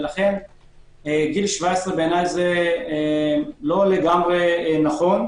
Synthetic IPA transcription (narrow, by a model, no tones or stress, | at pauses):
laχe̞n | ɡilʃvaesʁebeːnajze | lo̞leɡamʁenaχo̞n